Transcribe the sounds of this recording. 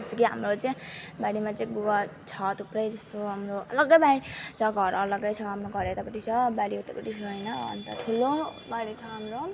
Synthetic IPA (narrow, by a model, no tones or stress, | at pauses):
ʌst̪ekiɦa̰mɾot͡saj̃baɽimat͡saĩɡuwat͡sʰʌt̪uprʌjd͡zʌst̪oɦamɾoʌlʌɡʌjbait͡sʰʌɡʱʌɾʌlʌɡʌjt͡sʰʌɦamɾoɡʱʌɾet̪apʌʈit͡sʰʌbaɽiet̪apʌʈit͡sʰʌjnʌʌ̰nt̪ʌʈʰulobaɽit͡sʰʌɦamɾo